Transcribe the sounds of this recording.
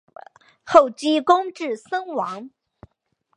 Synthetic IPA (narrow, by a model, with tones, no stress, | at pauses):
xo˥˩ʊt͡ɕi˥kʊ˥ŋʈ͡ʂɻ̩˥˩sə˥ŋwɑ˧˥ŋ